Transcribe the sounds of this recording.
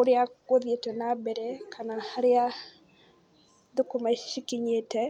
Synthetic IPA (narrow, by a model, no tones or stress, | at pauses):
ʊɾjaɡoðjetenabeɾekʰanaaɾɪja | d̪ʊkomaʃikiɲetɛ